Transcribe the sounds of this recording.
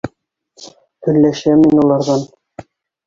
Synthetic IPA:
t̪ɵ̆lːæʃæminulˠɑɾðɑn

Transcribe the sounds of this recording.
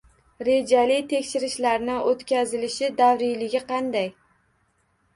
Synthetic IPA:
ɾe̞d͡ʒalɪt̪ʰe̞kʲʃɪɾɪʃlaɾnɪʔot̪kʲazɪlɪʃɪd̪avɾɪjlɪɡʲɪqʰɑnd̪aj

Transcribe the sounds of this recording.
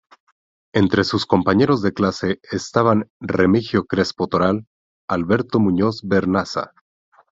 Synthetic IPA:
e̞nt̪ɾe̞susko̞mpaɲe̞ɾo̞zðe̞klase̞ːst̪aβanremixjo̞kɾe̞spot̪o̞ɾal | alβe̞ɾt̪o̞mũɲo̞zbeɾnasa̰

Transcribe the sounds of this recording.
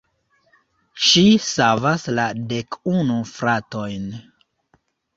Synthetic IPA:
ʃisavasladekunufɾato̞jn

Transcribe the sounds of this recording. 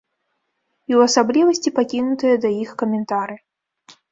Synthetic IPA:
iwɐsablʲivɐsʲt͡sʲipakʲinut̪ɨjɐd̪ɐjixkɐmʲɛnt̪aɾɨ

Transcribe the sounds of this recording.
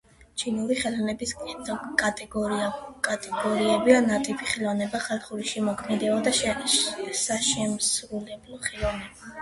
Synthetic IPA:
t͡ʃʰinuɾiχɛlɔnɛbisk̪ʼɛɔkʼat̪ʼɛɡɔkʼat̪ʼɛɡ̥ɔɾiɛbianat̪ʼipʰiχɛlˠɔvnɛbaχalˠχuɾiʃɛmɔkʰmɛd̪ɛɔd̪a | saʃɛmsɾulɛblˠɔχɛlˠɔvnɛba

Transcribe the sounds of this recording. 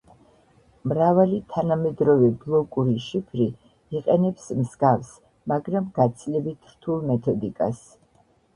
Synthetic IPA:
mɾavalit̪ʰanamɛd̪ɾɔvɛblˠɔkʼuɾiʃipʰɾi | iqʼɛnɛpsmzɡafs | maɡɾamɡat̪sʰilɛbit̪ʰɾ̥t̪ʰulˠmɛt̪ʰɔd̪ikʼa̰s

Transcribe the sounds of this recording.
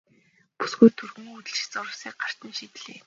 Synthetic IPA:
pu̥sɡujt̪ʰːurɣɵ̆ŋut̪ɘ̆ɮt͡ɕt͡sʊɾə̆siːk̚ɢar̥t̪ə̆nʃit̪ɮeː

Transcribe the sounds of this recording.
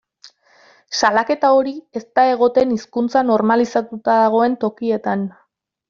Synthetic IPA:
salake̞t̪ao̞ɾiest̪ae̞ɣ̞o̞t̪e̞niskunt͡sano̞ɾmalisat̪ut̪aðaɣ̞o̞e̞nt̪o̞kie̞t̪an

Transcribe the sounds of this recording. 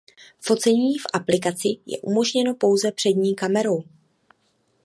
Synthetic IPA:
fo̞t͡sɛɲiːfʔaplɪkat͡sɪjɛ̰ʔumo̞ʒɲɛno̞po̞wzɛpr̝̥ɛdɲiːkamɛɾo̞w

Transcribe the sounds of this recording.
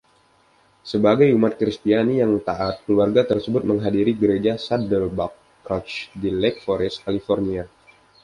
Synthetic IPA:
səbaɡajumat̪̚kɾist̪ianijaŋt̪aʔat̪̚kluarɡat̪ərsəbʊt̪̚məŋɦadiɾiɡəɾed͡ʒasadəlbakː | ɾɔt͡ʃdilɛk̚fɔɾɛst̪̚kalifɔrnia

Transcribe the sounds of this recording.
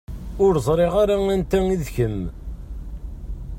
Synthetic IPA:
ʊɾzˤɾˤeʁaɾaŋænt̪æŋiðçəm

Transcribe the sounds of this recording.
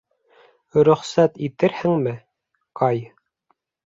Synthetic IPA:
ɾɵ̆χsæt̪it̪ɘɾhɘŋmɘ | qɑj

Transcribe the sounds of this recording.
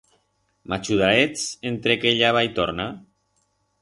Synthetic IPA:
mat͡ʃuðaɾet͡sent̪ɾekeʎaβajt̪oɾna

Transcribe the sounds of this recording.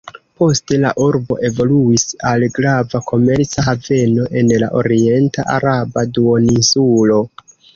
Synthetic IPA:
po̞ste̞la̰ʔuɾbo̞̰ʔe̞vo̞luisalɡɾavakʰo̞me̞ɾt͡saɦave̞no̞ʔe̞nlaʔoɾie̞nta̰ʔaɾabaduoninsulo̞

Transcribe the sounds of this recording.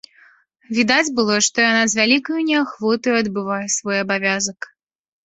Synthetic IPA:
vʲid̪ad͡zʲbɨlˠɔʂt̪ɔjanazvʲalʲikɐjunʲɛxvɔt̪ɐjuɐd̪bɨvajɛsvɔjɐbavʲazɐk

